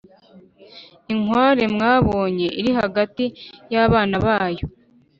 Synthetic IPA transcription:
iŋwaːɾe̞mŋaːβo̞ːɲe̞ʔiɾiɦaɡatijaβaːnaβaːjo̞

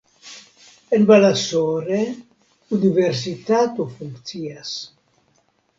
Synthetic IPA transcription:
elbalasoɾe | ud̪iveɾs̬it̪at̪ufuŋkt̪sias

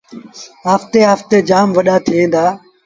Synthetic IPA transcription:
ɦaːft̪eːɦaːft̪eːd͡ʒaːmʋəɗaːt̪ʰɪʋẽːnd̪aː

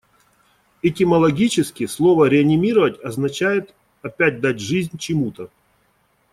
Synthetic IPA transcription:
ɪtʲɪməlˠɐɡʲit͡ɕɪskʲɪslˠo̞vəɾʲɪɐnʲɪmʲiɾəvətʲɐznɐt͡ɕæjɪt̪ | ɐpʲæt̚ʲd̪atʲʐɨzʲnʲt͡ɕɪmut̪ə

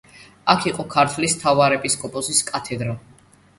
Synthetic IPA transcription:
akʰiqʼɔkʰaɾt̪ʰwlist̪ʰavaɾɛpʼiskʼɔpʼɔsiskʼat̪ʰɛd̪ɾɔ

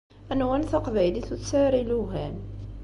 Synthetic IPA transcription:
ænwænθɑqvæjliθut͡sːæɾiluɦæn

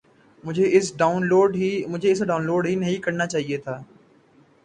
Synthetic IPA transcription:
mʊd͡ʒʱeɪsɖaːʊnloːɖɦimʊd͡ʒʱeɪsɖaːʊ̃nloːɖɦinɐɦĩkɐɾnat͡ʃaːɦiet̪ʰaː

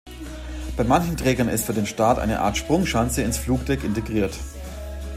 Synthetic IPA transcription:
b̥aɪmançn̩tʁ̥ɛːɡɐnɪ̰stfyːɐdeːnʃtaːtʔa̰ɪnəʔa̰ːɐtʃpʁ̥ʊŋʃant͡səɪnsfluːkd̥ɛkɪnteɡʁiːɐt

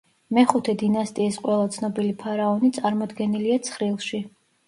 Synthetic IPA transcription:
mɛχut̪ʰɛd̪inast̪ʼiːsqʼwɛlˠat̪sʰnɔbilipʰaɾaɔnit̪sʼaɾmɔd̪ɡɛniliat̪sʰχɾilˠʃi

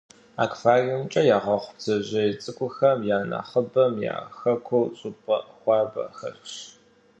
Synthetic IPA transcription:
a̰ːkʼfaːrint͡ʃʼɐjaːʁɐχʷʊbzɐʑɐɪt͡sʼɨkʷʼʊxɐmjaːnɐ̰χəbɐmja̰ːxɐkʷʰowɕʼʊpʼɐ̰ʔxʷɑːbɐ̰xɐ̰rɕ

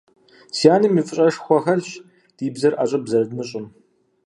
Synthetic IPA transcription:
sjaːnɨmifʼɨɕʼɐʂxʷɔxɐɮɕ | d̥iːbzɐrʔa̰ɕʼɐbzɐɾdmɨɕʼɪm

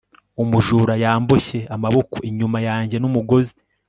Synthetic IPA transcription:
umuʒuːɾajaːmboçe̞amaβo̞koiɲumajaːɲɟe̞numuɡo̞zi

